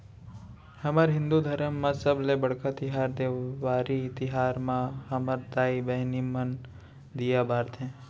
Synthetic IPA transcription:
həməɾɦɪ̃nd̪ud̪ʱɐɾəmːãsəblebəɽkat̪ɪɦaːɾd̪eʋaːɾit̪ɪɦaːɾmãɦɐməɾd̪aːibɛɦnimən | d̪ijabaːɾt̪ʰɦɛ̃ː

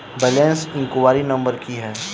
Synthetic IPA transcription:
bɛlɛ̃ːnsɪ̃ŋkʊʋaːɾinɐ̃mbəɾkiɦɛː

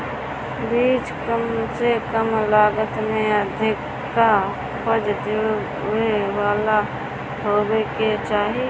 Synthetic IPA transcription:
biːt͡ʃkəmsekəmlaːɡət̪mẽəd̪ʱɪkː | a | pəd͡ʒd̪e | ewaːla | ɦoːɡeket͡ʃaːɦi

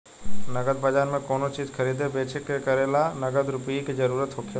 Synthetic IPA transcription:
nɐɡəd̪̚bɐd͡ʒaːɾmẽkoːnot͡ʃiːzxʰəɾiːd̪ebeːt͡ʃekekəɾelanɐɡəd̪ɾʊpijiked͡ʒɐɾuːɾət̪ɦokʰe

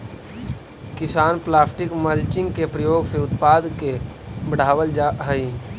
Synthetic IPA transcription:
kɪsaːnplaːsʈɪkməlt͡ʃɪ̃ŋɡkepɾəjoːɡseʊt̪paːd̪ke | bəɽ̤aːwəld͡ʒaɦəi

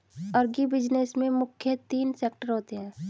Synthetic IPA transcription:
əɾɡibɪd͡ʒnesmẽmʊkʰjət̪iːnseːk̚ʈəɾɦoːt̪eɦɛ̃ː

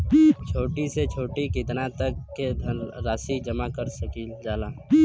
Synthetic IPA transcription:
t͡ʃʰoːʈiset͡ʃʰoːʈikɪt̪nat̪ɐkːed̪ʱɐɾaːsid͡ʒɐmakəɾsɐkiːd͡ʒaːlaː

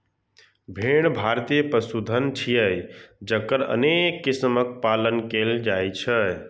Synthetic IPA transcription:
bʱeɽ̃bʱaɾt̪ijəpɾəsud̪ʱənt͡ʃʰijəjd͡ʒəkːəɾə̰nekːismək̚palənkeld͡ʒajt͡ʃʰə

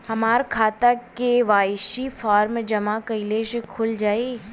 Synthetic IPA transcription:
hɐmaːɾkʰaːt̪akeʋaːjʃifɔːɾmd͡ʒɐmakɐɪleʃekʰʊld͡ʒaːeː

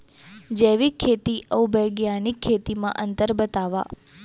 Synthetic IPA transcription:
d͡ʒeʋikʰːet̪iʔəwbəjɡjanikʰːet̪imã̰ʔənt̪əɾbət̪aʋa̰

